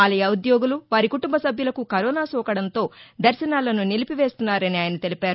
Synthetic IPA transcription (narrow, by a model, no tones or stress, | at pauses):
ɐlɐjɐud̪joːɡuluʋaːɾikuʈumbɐsɐbʱjulɐkukɐɾɔːnaːsɔːkɐɽɐnt̪o̞ːd̪ɐɾʃɐnaːlɐnunilipiʋe̞ːst̪unːaːɾɐniaːjɐnɐt̪elipaːɾu